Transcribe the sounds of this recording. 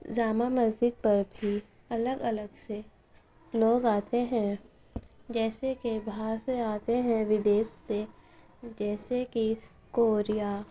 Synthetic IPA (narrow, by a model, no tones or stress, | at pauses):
d͡ʒaːmaməzd͡ʒɪd̪̚pɐɾbʱi | ɐləɡələɡse | loːɡaːt̪eɦɛ̃ | d͡ʒɛːsekebʱaːɾseaːt̪eɦɛ̃ʋɪd̪eːsːe | d͡ʒɛːseki | koːɾijaː